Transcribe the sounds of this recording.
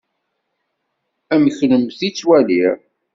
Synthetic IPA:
æməçləmθit͡sːwæliɾ

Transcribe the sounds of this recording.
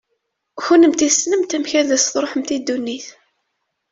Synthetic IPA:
çunəmt̪isːnəmt̪æmçæðæsθɾˤoħəmt̪id̪ːunːiθ

